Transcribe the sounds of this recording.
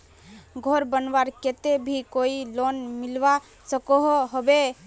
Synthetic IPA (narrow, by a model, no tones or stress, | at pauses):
ɡʱoɾbənʋaɾket̪ebʱikoilonmilʋa | səkɔɦɦobe